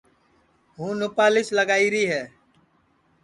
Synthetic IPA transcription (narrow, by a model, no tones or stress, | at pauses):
ɦũːnʊpaːlɪsləɡaːiːɾiːɦɛː